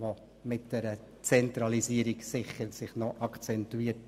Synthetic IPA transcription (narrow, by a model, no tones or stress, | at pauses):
ʋo | mɪt̚d̥ɛɾə | t͡sɛnt̪ɾɑliziəɾiksɪχːəɾsɪχnɔʔɑkʰt͡sɛntuiːət